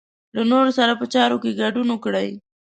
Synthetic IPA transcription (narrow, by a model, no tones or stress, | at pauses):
lanoɾosaɾapət͡ʃɑɾokeɡaɖunokɽəj